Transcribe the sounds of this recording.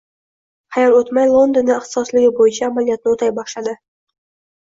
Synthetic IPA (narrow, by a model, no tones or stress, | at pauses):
χɑjɑlot̪majlˠond̪onːɪɪχt̪ɪ̥sɒslɪɡʲɪbojɪt͡ʃʰaːmalijat̪̚nɪot̪ʰajbɒʃlad̪ɪ